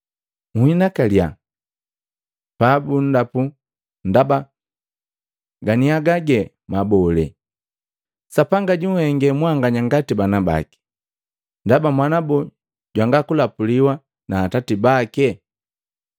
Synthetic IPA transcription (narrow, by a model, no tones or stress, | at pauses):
ŋuhinakalja̰ | pabun̩dapu | ndaba | ɡaniaɡaɡɛ | mabɔlɛ̰ | sapaŋɡaɟuhɛŋɡɛmwaŋɡaɲaŋɡatibanaba̰ki̥ | ndabamwanabɔ | ɟwaŋɡakulapuliwa | naːtatibakɛ